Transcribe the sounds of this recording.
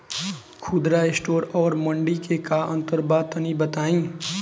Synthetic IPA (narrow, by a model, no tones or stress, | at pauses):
kʰʊd̪ɾaɪsʈoːɾɔːɾmə̃ɳɖikekaə̃nt̪əɾbaːt̪ənibət̪aːĩː